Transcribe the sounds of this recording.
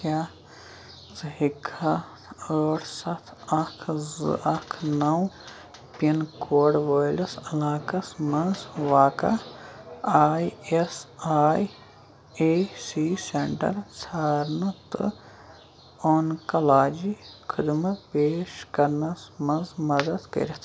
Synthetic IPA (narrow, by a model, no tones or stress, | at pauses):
a | zɨɦikʰa | əːʈsɐt̪ʰɐkʰz̰ɐkʰnɐw | pinkoːɖʋoːjlɐsɐlaːkɐsmɐnzʋaːkɐ̰ | aːjesaːj | esiseɳʈɐ̰ɾsʰaːɾnɐt̪ɨ̰ | oːnkɐlaːd͡ʒikʰəd̪mɐpeːʃkɐɾnɐsmɐ̃nzmɐd̪ɐd̪kɐ̰ɾʲɐt̪ʰ